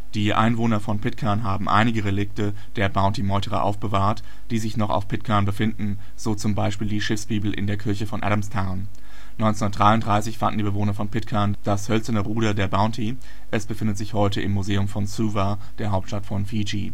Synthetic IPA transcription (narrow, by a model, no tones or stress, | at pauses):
d̥iːʔa̰ɪnvoːnɐfɔnpʰɪtkʰaɐnɦaːbm̩ʔa̰ɪnɪɡəʁelɪk̚tə | d̥eːɐbaʊ̃ntimɔʏtʰəʁɐ̰ʔa̰ʊfb̥əvaːɐt | d̥iːzɪçnɔχa̰ʊfpʰɪtkʰaɐnbəfɪndn̩ | z̥oːt͡sʊmbaɪʃpiːldiːʃɪfsb̥iːbl̩ʔɪ̰ndeːɐkʰɪɐçəfɔnʔa̰ɾamstʰaʊn | nɔ̃nt͡senʊndətd̥ʁaɪʊntd̥ʁaɪsɪçfa̰ndn̩diːbəvoːnɐfɔnpʰɪtkʰaɐnd̥ashœlt͡sɐnəʁuːɾɐdeːɐbaʊntʰi | ʔɛsb̥əfɪndətz̥ɪçhɔʏtəʔɪmːuzeːʊmfɔnsuːva | d̥eːɐɦaʊp̚tʃtatfɔnfid͡ʒi